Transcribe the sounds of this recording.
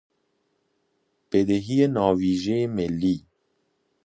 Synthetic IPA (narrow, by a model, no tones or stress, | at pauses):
b̥ed̪eɦijenɒːviːʒeemelːiː